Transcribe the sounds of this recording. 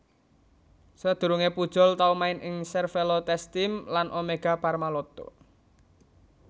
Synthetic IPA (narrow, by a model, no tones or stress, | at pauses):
səd̪̥ṳɾuŋepud̥ʒ̥ɔ̤lt̪aumaɪnʔɪŋsɛrfelot̪ɛst̪ɪmlanʔomeɡ̥a̤parmalɔt̪ɔ̰